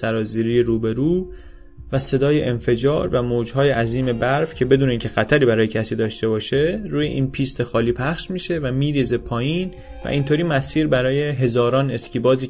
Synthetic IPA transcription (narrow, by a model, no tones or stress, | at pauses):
æɾɒːziːɾiːjeɾuːbe̞ɾuː | væse̞d̪ɒːje̞ʔenfe̞d͡ʒɒ̰ːɾvæmoːd͡ʒhɒːje̞ʔæziːme̞bæɾfcʰe̞be̞d̪uːneiːcʰe̞xæt̪ʰæɾiːbæɾɒːjecʰæsiːd̪ɒːʃt̪e̞bɒːʃe̞ɾuːjḛʔiːnpʰiːst̪ʰe̞xɒːliːpʰæχʃmiːʃe̞væmiːɾiːze̞pʰɒːjiːn | væ̰ʔint̪ʰoːɾiːmæsiːɾbæɾɒːje̞ɦe̞zɒːɾɒːne̞scʰiːbɒːziː